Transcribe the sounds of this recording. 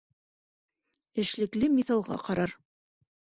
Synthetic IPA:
ɘ̆ʃlɘ̆klɘmiθɑlˠʁɑ̰qɑɾɑɾ

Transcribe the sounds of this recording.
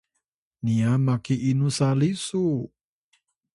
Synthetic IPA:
niamakiʔinusalisu

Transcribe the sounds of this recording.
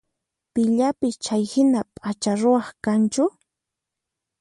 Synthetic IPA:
pɪʎapɪt͡ʃajhɪnapʼat͡ʃaɾʊwɑχkant͡ʃʊ

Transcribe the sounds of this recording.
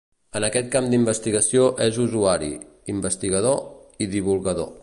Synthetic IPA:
ənəkɛt̪̚kamd̪imbəst̪iɣəsioʔɛzuzuaɾḭ | imbəst̪iɣəðoiðiβulˠɣəðo̰

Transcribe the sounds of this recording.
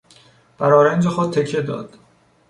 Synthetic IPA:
b̥æɾɒːɾænd͡ʒexod̪̚t̪ʰe̞cʰːed̪ɒ̰ːd̪̥

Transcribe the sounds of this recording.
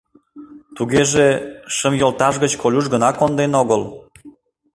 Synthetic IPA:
t̪uɣeʒeʃəmjolt̪ɑʒɣət͡ɕkʰolʲuʒɣənɑkond̪enoɣəl

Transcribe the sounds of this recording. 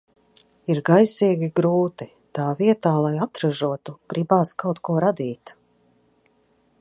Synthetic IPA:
iɾɡajsiːɡʲiɡɾuːt̪i | t̪aːviɛt̪aːlˠajat̪ɾaʒuɔt̪uɡ̥ɾibaːskawt̪kuɔɾad̪iːt̪

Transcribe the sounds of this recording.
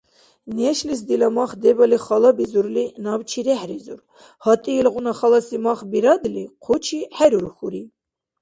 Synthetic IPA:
nɛʃlis̬d̪ilɑmɑχd̪ɛbɑliχɑlɑbizuɾlinɑbt͡ʃʰiɾɛħɾizṵɾ | hɑt̪ʼiilɣunɑχɑlɑsimɑχbiɾɑd̪liqʰot͡ʃʰiħɛɾuɾuxuɾi

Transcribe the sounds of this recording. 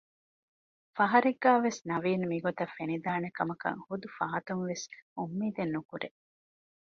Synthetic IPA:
fɐɦɐɾiɡːaːʋesnɐʋiːnmiɡot̪ɐfːenid̪aːnekɐmɐkɐ̰ŋhud̪ufɐɦɐt̪uŋʋesumːiːd̪enːukuɾe

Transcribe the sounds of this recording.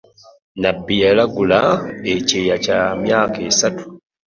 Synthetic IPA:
nabːijalaɡulaecejacamjaːkesatu̥

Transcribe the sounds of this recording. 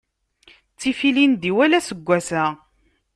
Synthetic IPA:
t͡sːifilind̪iwælæsəɡʷːæsæ

